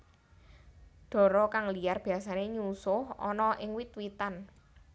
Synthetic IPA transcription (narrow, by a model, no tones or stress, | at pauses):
ɖ̪̥ɔ̤ɾɔkaŋlijarb̥i̤asaneɲusʊhɔ̰nɔʔɪŋwit̪wit̪an